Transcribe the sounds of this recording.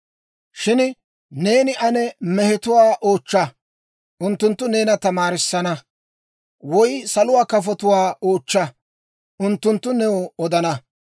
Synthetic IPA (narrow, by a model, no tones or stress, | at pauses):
ʃɪn | ne̞ːnɪʔɐnɛmɛhɛt̪ʊwaːʔoːt͡ʃːɐ | ʔʊnt̪ːʊnt̪ːʊne̞ːnɐt̪ɐmaːɾɪsːɐnɐ | wɔjsɐlʊwaːkɐfɔt̪ʊwaːo̞ːt͡ʃːɐ | ʊnt̪ːʊnt̪ːʊnɛɔɔd̪ɐnɐ